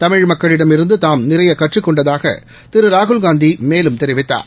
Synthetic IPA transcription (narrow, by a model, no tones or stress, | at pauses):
t̪ɐmɪɻmɐkːɐɭɪɽɐmɪɾɯnd̪ɯt̪aːmnɪɾɐjɐkɐʈrɯkːɔɳɖɐðaːɣɐ̰ | t̪ɪɾɯɾaːɣʊlɡaːnd̪imeːlɯmt̪ɛɾɪʋɪt̪ːa̰ːɾ